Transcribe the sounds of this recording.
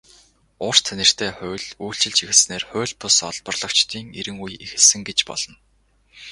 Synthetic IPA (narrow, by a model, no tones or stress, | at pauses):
ʊr̥t̪ʰænʲɪ̆r̥t̪ʰeːχʊːɮuːɬt͡ɕɪ̆ɮt͡ɕixɘ̆ɮsneːrχʊːɮʲpʊsɔ̰ɮpɞ̆rɮɞ̆kt͡ɕt̪iːŋeɾɘ̆ŋujexɘ̆ɮsɘ̆ŋɡet͡ɕpɔ̰ɮ̥ɞ̆n